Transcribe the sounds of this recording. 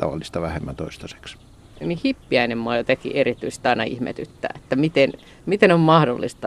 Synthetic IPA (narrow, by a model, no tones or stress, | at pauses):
t̪ɑ̰ʋɑ̰lːist̪ɑʋæhemːænt̪oist̪ɑse̥ks | nihipːiæinemmoɑjot̪ekḭʔerit̪yise̥t̪ɑinɑḭhmḛt̪yt̪ːæ̰ːet̪ːæmit̪en | mit̪enommɑhdo̰lːist̪ɑ